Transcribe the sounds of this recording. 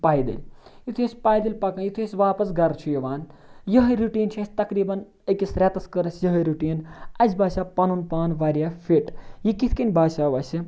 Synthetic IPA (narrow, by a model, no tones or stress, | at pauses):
paːjd̪ḭlʲjit̪ʰujɐsʲpaːjd̪ɐlʲpɐkɐnjit̪ʰujɐsʲʋaːpɐsɡɐɾt͡ʃʰujɐʋaːn | jɐɦɐjɾuʈiːnt͡ʃʰiɐsʲt̪ɐkɾiːbɐn | əkisɾʲat̪ɐskəɾɐsjɐɦɐɾuʈiːnɐzbaːʃaːpɐnunpaːnʋaːɾijaːfʰiʈjikit̪ʰkinʲbaːʃaːʋɐsi